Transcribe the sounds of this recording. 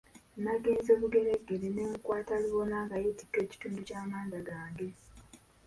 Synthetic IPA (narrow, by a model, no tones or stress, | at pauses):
naɡeːnzoːβuɡe̞ɾeɡːelineːŋkwaːtaliβonaːŋɡajeti̥kːe̞ːci̥tuːnducaːmaːndaɡaːŋɡe̞